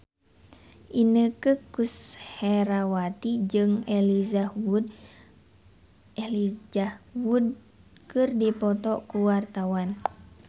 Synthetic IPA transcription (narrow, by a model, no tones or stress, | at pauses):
ʔinəkɨkushɛɾawat̪id͡ʒɨŋelizad | lawud̚ | kɨrdipɔt̪ɔkuwart̪awan